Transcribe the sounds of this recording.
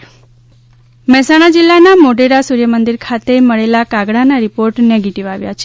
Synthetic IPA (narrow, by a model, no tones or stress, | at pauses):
mɛsaɽ̃ad͡ʒilːanamoɖeɾasuɾjəmənd̪iɾkʰat̪eməɭelakaɡɽanaɾipoɾʈneɡeʈiʋaʋja̰t͡ʃʰe